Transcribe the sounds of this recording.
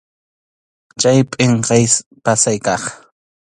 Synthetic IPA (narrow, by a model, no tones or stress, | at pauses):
t͡ʃajpʼɪɴqɑjspasajkɑχ